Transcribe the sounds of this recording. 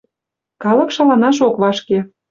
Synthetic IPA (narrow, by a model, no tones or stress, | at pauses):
kɑlɤ̆kʃɑlɑnɑʃ̬okβɑʃke